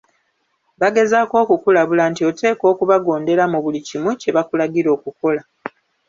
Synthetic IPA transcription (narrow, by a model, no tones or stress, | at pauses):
βaɡe̞zaːko̞ːkukulaβulaːntio̞te̞ːko̞ːkuβaɡo̞ːnde̞ɾamuβulicimuce̞βakulaɡiɾo̞ːkuko̞la